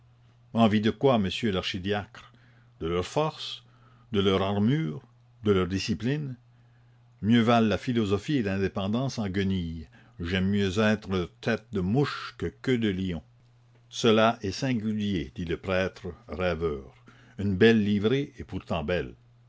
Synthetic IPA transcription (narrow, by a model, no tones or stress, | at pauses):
ɑ̃vid̪əkwaməsjølaʁʃid̪jakʁ | d̪əlœʁfɔʁs | d̪əlœʁaʁmyːʁ | d̪əlœʁd̪isiplin | mjøvalːafilɔzɔfielɛ̃d̪epɑ̃d̪ɑ̃sɑ̃ɡənij | ʒɛmːjøzɛːt̪ʁət̪ʰɛt̪̚d̪əmuʃkəkød̪əliɔ̃ | səlaʔɛsɛ̃ɡʲyljed̪̥iləpɾɛːt̪ʁəʁɛvœːʁ | ynbɛlːivʁeepuʁt̪ɑ̃bɛl